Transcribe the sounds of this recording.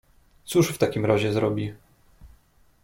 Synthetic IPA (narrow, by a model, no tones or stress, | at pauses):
t̪suʂft̪akʲimɾaʑɛzɾɔbʲi